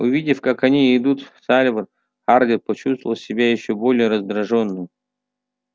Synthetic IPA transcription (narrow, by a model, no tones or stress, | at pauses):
ʊvʲidʲɪfkakɐnʲiɪd̪ut̪salʲvər | xardʲɪrpət͡ɕust̪vəəlˠsʲɪbʲajɪɕːobolʲɪjəɾəzd̪ɾɐʐonːɨj